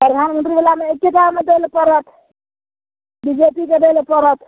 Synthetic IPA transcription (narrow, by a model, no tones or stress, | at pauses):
pɾəd̪ʱanmənʈ̪ɾibelameekːekamed̪elepəɾət̪ʰ | bid͡ʒepiked̪elepəɾət̪ʰ